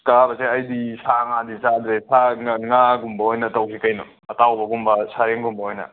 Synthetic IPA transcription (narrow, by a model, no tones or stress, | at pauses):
kabɐseɐjdisaŋadisad̪ɾesaŋaɡumbɐɦojnɐtawkʰikajnṵ | ɐtawbɐɡumbɐsaɾeŋɡumbɐɦojnɐ̰